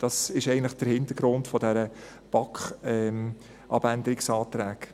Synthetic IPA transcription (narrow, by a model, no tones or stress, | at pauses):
d̥ɑsɪʃɛɪɡən̩tləχd̥əɾhɪntəɾɡ̥ɾʊntfɔdɛɾə | b̥ɑkχɛ | ʔɑbændəɾɪksɑːtɾæːɡ